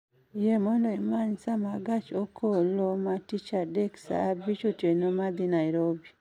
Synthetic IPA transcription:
jemɔndɔimaɲsamaɡat͡ʃokʰolomatit͡ʃadɛksa̰bit͡ʃotjenomad̪inaiɾobi

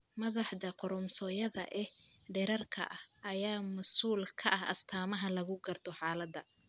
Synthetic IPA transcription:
mɐðɑħdɐqɔɾɔmsɔːjɐðɐʔɛ | ɖɛɾɐrkʰɐ̰ʔɐhʔɐjaːmɐsuːlkʰɐʔɐɦɐ̰st̪ʰaːmɐɦɐlɐɣʊɡɐrt̪ʰɔħɑːlɐd̪ɐ

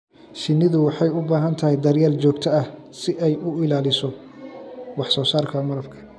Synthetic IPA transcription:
ʃɪnːɪðʊwɑħɑjʊbaːɦɐnt̪ʰɐɦɛjd̪ɐrjaːlt͡ʃɔːɡt̪ʰɐɐh | sɪʔɛjʊɪlaːlɪsɔ | wɑħsɔːsaːrkʰɐmɐɾɐbkʰɐ̥

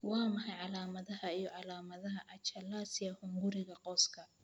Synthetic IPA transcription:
wɑːmɐħɑjʕɑlaːmɐðɐɦɐijɔʕɑlaːmɐðɐɦɐʔɐt͡ʃɐlaːsɪjɐhʊŋɡʊɾɪɣɐqɔːskʰɐ

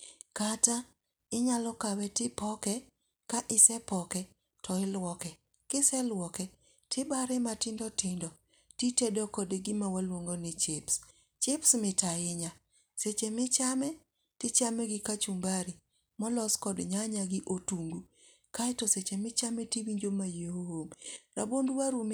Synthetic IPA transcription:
kata | ɪɲalɔkawɛtɪpɔkɛ | kaʔɪsɛpɔkɛ | tʰɔɪlwɔkɛ | kɪsɛlwɔkɛ | tʰɪbaɾɪmatɪndɔtɪndɔ | titedokɔdeɡɪmawalwoŋɡonɪt͡ʃɪps | t͡ʃɪpsmɪtaɪɲa | set͡ʃemɪt͡ʃamɛ | tɪt͡ʃamɛɡɪkat͡ʃumbaɾi | mɔlɔskɔdɲaɲaɡɪʔotuŋɡu | kaɛtɔset͡ʃemɪt͡ʃamɛtiwiɲd͡ʒomajehohomɾabondwaɾum

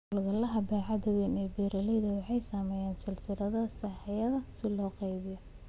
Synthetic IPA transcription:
lɣɐlɐɦɐbɛːʕɑd̪ɐwɛnɛbiːɾɐlɛjðɐwɑħɑjsaːmɛːjaːnsɪlsɪɾɐðɐsɐħɛjɐðɐsɪlɔːqɑjβɪjɔ

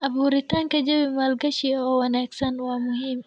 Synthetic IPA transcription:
ʔɐbuːɾɪt̪aːŋkɐd͡ʒɐwɪmaːlɡɐʃiɔːwɐnaːksɐnwaːmʊɦim

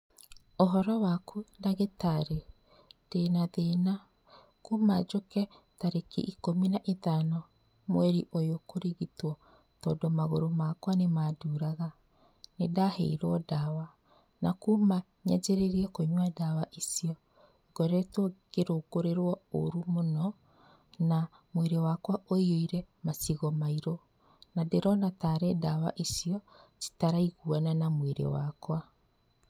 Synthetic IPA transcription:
oɦɔɾɔwakudaɣetaɾe | d̥eːnaðena | kumad͡ʒokɛ | taɾekḭʔikominaʔeðanɔ | mwɛɾiʔojokoɾiɣitwɔ | tɔːdomaɣoɾomakwanemaduːɾaɣa | nedahḛiɾwɔdawa | nakuma | ɲad͡ʑeɾeɾiɛkoɲwadawaʔisiɔ | ɡɔɾɛtwɔɡ̥eɾokoɾeɾwɔo̰ɾumonɔ | na | mweɾewakwaʔoioiɾɛmasiɣɔmaiɾɔ | nadeɾɔnataɾɛdawa̰ʔisiɔsi̥taɾaiɣuananamweɾḛwa̰kwa

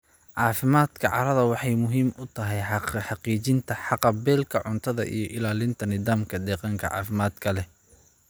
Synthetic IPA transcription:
ʕɑːfɪmaːd̪̥kʰɐʕɑ̰ɾɐðɐwɑħɑjmʊɦiːmʊt̪ʰɐɦɛjħɑqiːt͡ʃɪnt̪ʰɐħɑqɑbɛːlkʰɐʕʊnt̪ʰɐðɐ̰ʔḭjɞʔɪlaːlɪnt̪ʰɐnɪðaːmkʰɐd̪ɛːqɑŋkʰɐʕɑ̰ːfɪmaːd̪kʰɐlɛ

